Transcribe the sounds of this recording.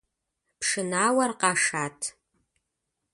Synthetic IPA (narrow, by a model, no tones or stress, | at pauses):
pʰʂɨnaːwɐrqɑːʂaːtʰ